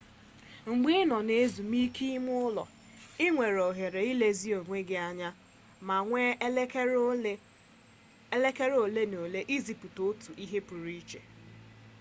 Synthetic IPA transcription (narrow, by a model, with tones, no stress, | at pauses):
ŋ͡m̩˨ɡ͡be˦e˦nɔ˨ne˦zu˨mi˦ki˦mʊ˦ʊ˦lɔ̰˨ | ɪ˦ŋʷe˨ɾo˨ɦe˨ɾe˨i˦le˦zi˦o˨ŋʷe˦ɡɪ˦a˦ɲa˦ | ma˨ŋʷe˦ | le˦ke˦ɾo˨le˦no˨le˦ʔi˦zi˨pu˨to˦tu˨ʔi˦ɦe˦pu˨ɾi˦t͡ʃḛ˨